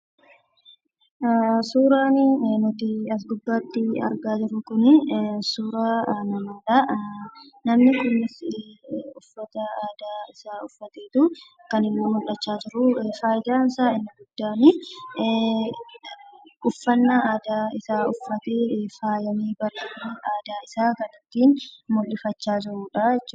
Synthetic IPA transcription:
suːɾaːnɪnɔt̪ɪɐs̬ɡʊbːaːt̪ːɪɐ̰ɾɡaːd͡ʒɪɾʊkʊnɪsuːɾaːnɐmaːᶑ̪ɐ | nɐmnɪkʊnːɪs | ʊfːɐt̪ɐaːd̪aːɪsaːʊfːɐt̪eːt̪ʊ | kɐnɪmːoːmʊlːɐt͡ʃːaːd͡ʒɪɾʊfaːjɪd̪aːnsaːɪnːɐɡʊd̪̥ːaːnɪ | ʔʊfːɐnːɐaːd̪aːɪsaːʊfːɐt̪eːfaːjɐmiːbɐɾeːkʊnɪʔaːd̪aːɪsaːkɐnɪt̪ːiːnmʊlːɪfɐt͡ʃːaːd͡ʒɪɾuːᶑaɛt͡ʃː

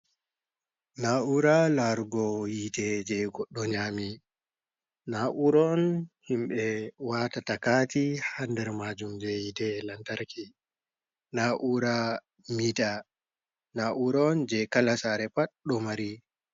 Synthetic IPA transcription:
naʔuɾalaɾɡɔjitɛd͡ʒɛɡɔɗːɔɲaːmi | naʔuɾɔnhimɓɛwatatakatihandɛɾmad͡ʒumd͡ʒɛjitɛlantaɾki | naʔuɾa | mita | naʔuɾɔnd͡ʒɛkalasaɾɛpaɗɔmaɾi

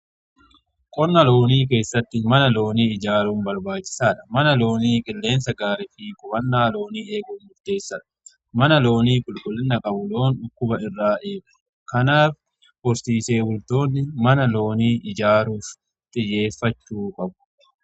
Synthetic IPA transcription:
kʼɔnːɐlo̞ːniːk̬e̞ːsːɐt̪ːɪmɐnɐlo̞ːniːɪd͡ʒaːɾuːnbɐɾbaːt͡ʃːɪ̥saːᶑɐ̥mɐnɐlo̞ːniːkʼɪlːe̞ːnsɐɡaːɾɛfiːkʼʊbɐnːaːlo̞ːniːe̞ːɡʊnmʊɾd̪e̞ːsːɐᶑɐ̥ | mɐnɐlo̞ːniːkʼʊlkʼʊlːɪnːɐkʼɐbʊlo̞ːnʊkːʊbɐɪrːaːʔeːɡɐ | kɐnaːf | bɔst̪iːse̞ːwʊlt̪o̞ːnːɪmɐnɐlo̞ːniːɪd͡ʒaːɾuːf | t̪ʼɪjːe̞ːfːɐt͡ʃːuːkʼɐbʊ̥

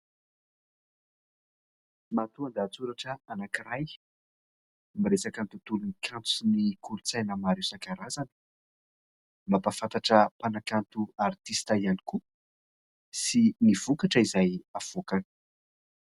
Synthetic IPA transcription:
mat̪uand̪at͡suɾaʈ͡ʂəanakiɾaj | miɾesakant̪ut̪ulunikʲʰãnt͡sunikulut͡sajnəmaɾewsakaɾazanə̥ | mapafant̪aʈ͡ʂəpanakant̪uart̪ist̪aianiku | siniv̥ukaʈ͡ʂəizajav̥okan

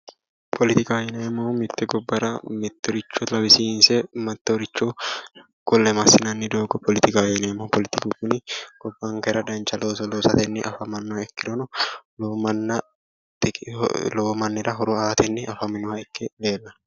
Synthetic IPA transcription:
pʰɔlɪt̪ɪkɐjɛnɛːmːomɪt̪ːɛɡɔbːɐɾɐmɪt̪ːɔɾɪt͡ʃːɔt̪lɐbɪsiːnsɛmɐt̪ːɪɔɾɪt͡ʃːo | ɡ̥ɔlːɛmɐsɪnɐnːɪd̪oːɡɔpʰɔlɪt̪ɪkajɛnɛːmːɔpɔlɪt̪ɪkukʊnɪɡ̥ɔbːaŋkɐɪɾɐd̪ɐnt͡ʃːɐloːsɔloːsɐt̪ɛnːɪʔɐ̰fɐmɐnːɔɐɛkːɪɾɔnʊloːmɐnːɐ | loːmɐnːɪɾɐɦɔɾʊaːt̪ɛnːɪʔɐfɐmɪnːɔwɐɛkːɛleːlːɐ

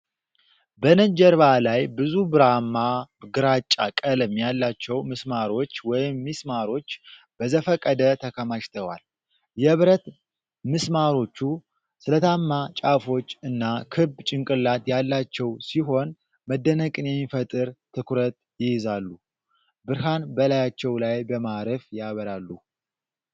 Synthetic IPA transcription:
bənəd͡ʒɛɾβalajbɨzubɨɾamːaɡɨɾat͡ʃʼːa̰kʼələmːjalːat͡ʃːɛwmɨsmaɾo̞t͡ʃːwɔjɪmːismaɾo̞t͡ʃː | b̥əzəfəkʼːəd̪ət̪ʰəkʰəmaʃt̪ʰəwa̰l | jɛβɾət̪ | mɨsmaɾo̞t͡ʃːu | sɨlət̪ʰamːat͡ʃʼafo̞t͡ʃːɨnːakʰɨbt͡ʃʼɪŋkʼɨlːat̪jalːat͡ʃːɛwsiɦo̞n | məd̪ːənəkʼɨnjɛmːifət̪ʼɨɾt̪ʰɨkʰɾət̪ | jɪjɪzalːu | bɨɾɦanbəlajat͡ʃːɛwlajbəmaɾəfjaβəɾalːu

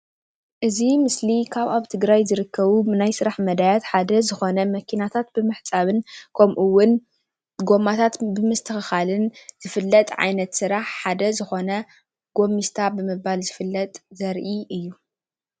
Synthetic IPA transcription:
ʔɨzimɨslikʰaβaβt̪ʰɨɡɾajzɨɾɨkʰːɐβunajsɨɾaħmɐd̪ajat̪ħad̪ɐzɨxo̞nɐmɐkʰinat̪ʰat̪̚bɨmɨħt͡sʼaβɨnkʰɐmʔuwːʊn | ɡo̞mat̪ʰat̪bɨmɨst̪ʰɨxɨxalɨnz̥ɨfɨlːɐt̪ʼʕa̰jnɐt̪sɨɾaħħad̪ɐzɨxo̞nɐ | ɡ̥o̞mist̪ʰabɨmɨbalzɨfɨlːɐt̪ʼzɐɾʔiʔɨjːu

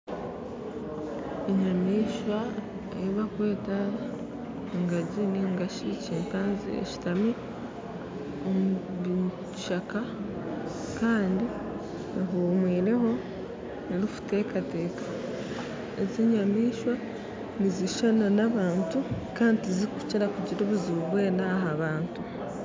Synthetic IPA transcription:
eɲamiːʃwa | ejiβakwe̞ːta | ŋɡaɟiniŋɡaʃicempaːnzḭḛʃi̥tame | omuβi | ʃaka | kaːndi | ɦuːmwiːɾe̞ho̞ | niɾifu̥te̞kate̞ːkḁ | eziɲamiːʃwa | niziʃananaβaːntu | kaːntizikuciɾakuɟiɾoβuzuβwe̞ːnaɦaβaːntu

